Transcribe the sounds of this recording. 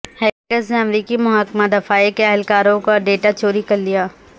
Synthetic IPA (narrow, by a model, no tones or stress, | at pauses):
hɛːkəzneɐmɾiːkimʊɦaːkmad̪ɐfaːikeɐɦɪlkaːɾõkoɖeːʈat͡ʃoːɾikɐɾlijaː